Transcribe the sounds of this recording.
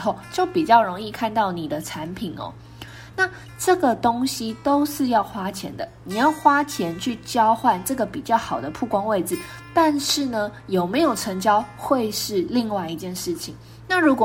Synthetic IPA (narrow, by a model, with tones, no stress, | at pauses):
xo˥˩ʊt͡ɕjo˥˩ʊpi˨˩t͡ɕjɑ˥˩ʊɻo˧˥ŋi˥˧kʰa˥˧nt̪ɑ˥˩ʊni˨˩d̪ə˦ʈ͡ʂʰa˧˦npʰi˨˩nɔ̰˨˦ | na˥˨˩ | ʈ͡ʂɤ˥˩ɡə˨˩t̪o˥ŋɕi˦t̪o˥ʊʂɻ̩˥˧jɑ˥˩ʊxwa˥t͡ɕʰjɛ̰˧˥nd̪ə˧˨ni˨˩jɑ˥˩ʊxwa˥t͡ɕʰjɛ˧˥nt͡ɕʰy˥˩t͡ɕjɑ˥ʊxwa˥˧nʈ͡ʂɤ˥˩ɡə˩pi˨˩t͡ɕjɑ˥˩ʊxɑ˨˩ʊd̪ə˦pʰu˥˩kwɑ˥ŋwe˥˩ɪd͡zɹ̩˨˩ | t̪a˥˧nʂɻ̩˥˩nə˩jo˨˩ʊme˧˥ɪjo˨˩ʊʈ͡ʂʰə˧˥ŋt͡ɕjɑ˥ʊxwe˥˧ɪʂɻ̩˥˧li˥˧ŋwa˥˧ɪi˧t͡ɕjɛ˥˧nʂɻ̩˥˩t͡ɕʰi˨˩ŋ | na˥˩ɻu˧˥kwɔ˨